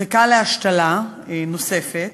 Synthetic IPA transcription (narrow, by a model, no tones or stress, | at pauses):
ekaleaʃtalano̞se̞fet̪